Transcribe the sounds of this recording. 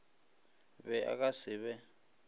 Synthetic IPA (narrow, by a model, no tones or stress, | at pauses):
bɛʔa̰k̬ʼasɪβɛ